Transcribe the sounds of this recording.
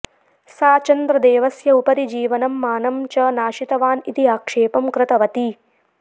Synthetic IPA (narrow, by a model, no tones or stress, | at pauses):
saːt͡ʃɐnd̪ɾɐd̪eːʋɐsjɐupɐɾid͡ʒiːʋɐnɐmːaːnɐmt͡ʃɐnaːʃit̪ɐʋaːnit̪iaːkʂeːpɐmkɾɪt̪ɐʋɐt̪i